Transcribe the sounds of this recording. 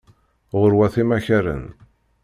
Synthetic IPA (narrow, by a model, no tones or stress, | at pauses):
ʁʊɾwæθimæçæɾə̰n